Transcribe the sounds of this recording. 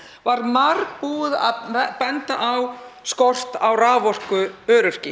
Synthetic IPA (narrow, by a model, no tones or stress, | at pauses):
vaɾmark̚puːða̰ðpɛnt̪aʔawskɔr̥t̪awraːvɔr̥kʏœːɾʏr̥cɪ